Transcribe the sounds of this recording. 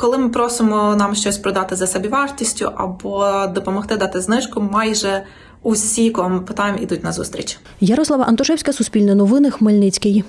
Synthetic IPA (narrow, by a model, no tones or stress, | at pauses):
kɔlˠɪmɪpɾɔsɪmɔnɑmʃt͡ʃɔsʲpɾɔd̪ɑt̪ɪzɐsɛbʲiʋɑrtʲisʲtʲʊ̰ʔɐbɔd̪ɔpɔmɔxt̪ɪd̪ɑt̪ɪznɪʃkʊmɑjʒɛ | ʊsʲikɔɔmɪpɪt̪ɑjemʔḭd̪ʊtʲnɐzṵst̪ʲɾʲḭt͡ʃ | jɐɾɔslˠɐʋɐʔɐnt̪ɔʃɛwsʲkɐsʊsʲpʲilʲnɐnɔʋɪnɪxmelʲnɪt͡sʲkɪj